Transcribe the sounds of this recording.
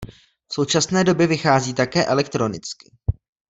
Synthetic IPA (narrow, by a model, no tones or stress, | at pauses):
fso̞wt͡ʃasnɛːdo̞bjɛvɪxaːziːt̪akɛːʔɛlɛk̚t̪ɾo̞nɪt͡skɪ